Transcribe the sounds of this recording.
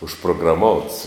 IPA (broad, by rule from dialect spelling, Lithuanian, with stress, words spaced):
ʊʃproːɡrɐˈmoːʊts